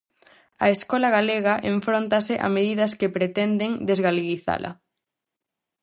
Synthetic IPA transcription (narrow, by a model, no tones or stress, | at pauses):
ɐeskɔlɐɣaleɣɐʔeɱfɾont̪ɐsɪʔa̰meðiðɐskepɾet̪ɛnd̪eŋd̪ezɣaleɣiθa̰lʔɐ̰